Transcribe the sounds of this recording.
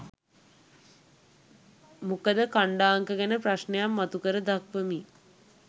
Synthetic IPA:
mukəd̪əkaɳɖaːŋkəɡænəpraʃnejamːat̪ukəɾəd̪akʋəmi

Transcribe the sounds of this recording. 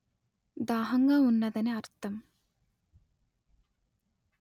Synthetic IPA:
d̪aːɦɐŋɡɐunːɐd̪ɐneɐɾt̪ːɐm

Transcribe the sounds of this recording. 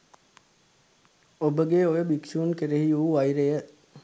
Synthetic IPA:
obəɡeojəbikʃuːnkeɾeɦiuːʋɐjɾejə

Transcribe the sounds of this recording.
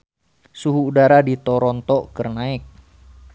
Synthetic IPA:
suɦuːdaɾadit̪ɔɾɔnt̪ɔkərnaɪk̚

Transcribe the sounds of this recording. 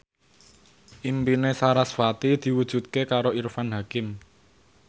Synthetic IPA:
ʔimpinesaɾasfat̪id̪̥i̤wud̥ʒ̥ṳt̪̚kekaɾoirfanɦakɪm

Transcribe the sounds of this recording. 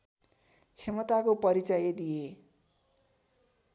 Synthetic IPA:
t͡sʰemʌt̪akopʌɾit͡sʌjed̪ije

